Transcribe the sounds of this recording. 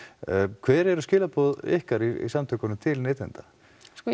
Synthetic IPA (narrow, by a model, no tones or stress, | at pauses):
kʰvɛːɾɛɾʏscɪːlapoðḛhkaɾiḭsamt̪ʰœkanʏmt̪ʰɪlneːt̪lɛ̰nt̪a